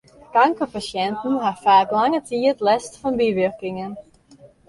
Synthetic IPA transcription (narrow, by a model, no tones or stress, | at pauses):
kaŋkəpasjɛntn̩ɦafaːklaŋətʰiətlɛstfɔnbiʋʏrkɪŋən